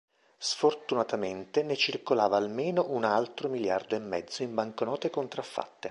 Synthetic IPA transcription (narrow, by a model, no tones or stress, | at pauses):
sfort̪unat̪ament̪enet͡ʃirkolaːvaːlmeːnoʔunalt̪ɾomiljard̪oemːɛd̪zːoimbaŋkonɔːt̪ekont̪ɾafːa̰t̪ːe